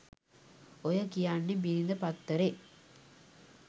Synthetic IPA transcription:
ojəkijanːebiɾind̪əpat̪ːəɾe

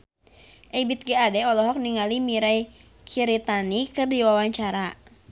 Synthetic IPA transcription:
ʔɛbit̪̚ɡɛadɛɔlɔɦɔk̚niŋalimiɾaj | kʰiɾit̪anikɨrdiwawaɲt͡ʃaɾa

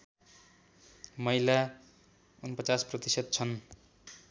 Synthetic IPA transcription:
mʌjla | unpʌt͡sasprʌt̪isʌd̪̚t͡sʰʌn

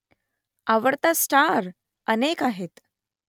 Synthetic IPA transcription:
aʋəɽt̪asʈaɾ | ənekaɦet̪

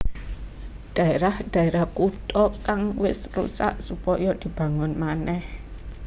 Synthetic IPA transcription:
ɖ̥a̤eɾahd̥a̤eɾahkut̪ɔkaŋwɪsrṵsa̰ʔsupɔjɔd̪̥i̤b̥a̤ŋʊnmanɛh

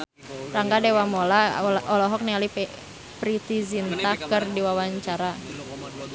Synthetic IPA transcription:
raŋɡadɛwamɔlaʔɔlɔɦɔk̚nɛali | pɾit̪izint̪akɨrdiwawaɲt͡ʃaɾa

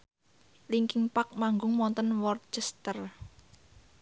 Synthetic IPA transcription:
liŋkɪŋpak̚maŋɡʊŋmɔnt̪ənwɔrt͡ʃɛst̪ər

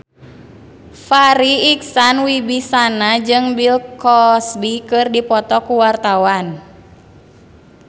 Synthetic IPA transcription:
faɾiːksanwibisanad͡ʒɨŋbilkɔsbikɨrdipɔt̪ɔkuwart̪awan

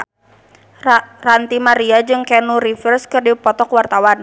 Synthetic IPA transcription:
rant̪imaɾiad͡ʒɨŋkɛnuɾifərskɨrdipɔt̪ɔkwart̪awan

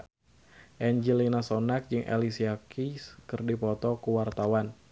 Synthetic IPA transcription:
ʔɛɲd͡ʒilinasonak̚d͡ʒɨŋʔḛlisiakʰiskɨrdipɔt̪ɔkuwart̪awan

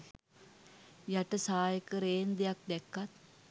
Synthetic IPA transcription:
jaʈəsaːjəkəɾeːnd̪ejak̚d̪ɛkːat̪̚

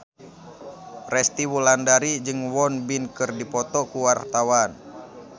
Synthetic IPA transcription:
rɛst̪iwulandaɾid͡ʒɨŋwɔnbinkɨrdipɔt̪ɔkuwart̪awan

